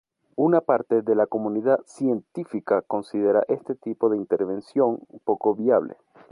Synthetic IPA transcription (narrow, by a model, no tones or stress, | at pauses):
unapaɾt̪e̞ðe̞lako̞mũniðasje̞nt̪ifikako̞nsið̞e̞ɾa̰ʔe̞st̪e̞t̪ipo̞ðeint̪e̞ɾβe̞nsjo̞ŋpo̞ko̞βjaβlḛ